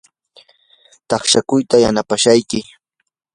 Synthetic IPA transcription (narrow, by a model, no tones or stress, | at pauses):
t̪ɑχʃakʊjt̪ajanapaʃajkɪ